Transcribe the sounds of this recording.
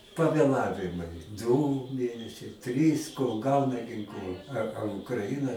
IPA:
pɐʋʲeːˈlˠɑːʋʲɪmɐɪ duː ˈmʲeːnʲɛsʲɛɪ ˈtʲrʲiːs koːlˠ ˈɡɐʊnɐ ɡʲɪŋˈklˠʊ ɐ ɐ ʊkrɐˈɪnɐ

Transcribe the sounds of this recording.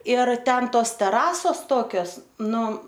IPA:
ɪr ˈtʲɛn ˈtoːs tʲɛˈrɑːsoːs ˈtoːkʲoːs ˈnʊ

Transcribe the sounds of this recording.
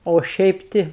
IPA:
oː ˈʃʲɛɪp ˈtʲɪ

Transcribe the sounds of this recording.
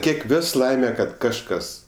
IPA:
ˈkʲiɛk ˈʋʲoːs ˈlˠɐɪmʲɛ kɐt kɐʃˈkɐs

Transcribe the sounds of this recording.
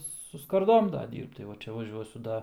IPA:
sʊ skɐrˈdoːm ˈdɐ ˈdʲiːrpt tɐɪ ˈʋɐ ˈt͡ʃʲɛ ʋɐˈʒʲuɔsʲʊ ˈdɐ

